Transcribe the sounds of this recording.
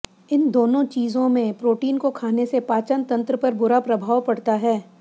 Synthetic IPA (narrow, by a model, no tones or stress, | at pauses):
ɪnd̪oːnõt͡ʃiːzõmẽpɾoːʈiːnkokʰaːnesepaːt͡ʃənt̪ɐ̃nt̪ɾəpɐɾbʊɾapɾɐbʱaːwpɐɽt̪aɦɛː